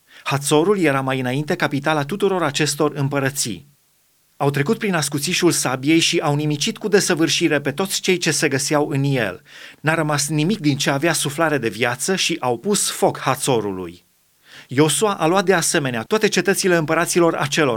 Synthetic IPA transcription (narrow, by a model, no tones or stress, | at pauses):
hat̪so̞ɾulje̞ɾamajɨnaint̪e̞kapit̪alat̪ut̪uɾo̞ɾat͡ʃe̞st̪o̞rɨmpəɾət̪sḭ | awt̪ɾe̞kut̪̚pɾinaskut̪siʃulsabije̞jʃiʔawnimit͡ʃit̪kud̪e̞səvɨrʃiɾe̞pe̞t̪o̞t̪sʲt͡ʃe̞jt͡ʃe̞se̞ɡəsawɨnje̞̰lnaɾəmasnimik̚d̪int͡ʃe̞aveasuflaɾe̞d̪e̞viat̪səʃiʔawpusfo̞khat̪so̞ɾṵlṵj | jo̞suaʔaluat̪̚d̪ease̞me̞neat̪oat̪e̞t͡ʃe̞t̪ət̪sile̞ɨmpəɾat̪silo̞ɾa̰t͡ʃe̞lo̞